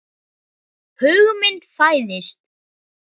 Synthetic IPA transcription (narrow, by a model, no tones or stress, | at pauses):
hʏɣmɪn̥t̪faːjðɪst̪̚